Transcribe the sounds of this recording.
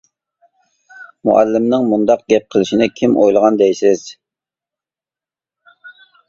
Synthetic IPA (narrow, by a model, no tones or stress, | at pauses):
mṵʔæ̰lːɪmnɪŋmund̪ɑq̚ɡʲɛp̚qʰəlˠɪʃinɪkʲʰimʔojlˠəʁɑnd̪ɛjsɪz̥